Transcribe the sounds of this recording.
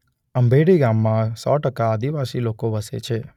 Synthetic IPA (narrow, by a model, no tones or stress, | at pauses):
əmbʱeɽiɡamːãsɔ̰ʈəkaad̪iʋasilokoʋəsḛt͡ʃʰe